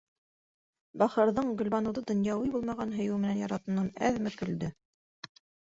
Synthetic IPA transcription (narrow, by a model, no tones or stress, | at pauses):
bɑχɤ̆ɾðɤɴɡɵ̆lʲbɑnɤ̆wðɤd̪ŏnjɑwɤjbulˠmɑʁɑnɦɵ̆jʉwmɘ̆nænjɑɾɑt̪ɤ̆nɑnæ̰ðmɘkɵ̆ld̪ɘ